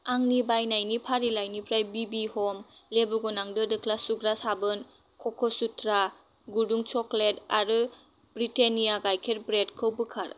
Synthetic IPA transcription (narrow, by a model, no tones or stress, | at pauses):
aŋnibajnajnipʰaɾilajnipʰɾajbibihɔmlebuɡɔnaŋdɯdɯkʰlasuɡɾasabɯn | kʰɔkʰɔsutʰɾa | ɡuduŋt͡ʃɔkletaɾɯ | b̥ɾitenijaɡajkʰeɾbɾedkʰɯwbɯkʰaɾ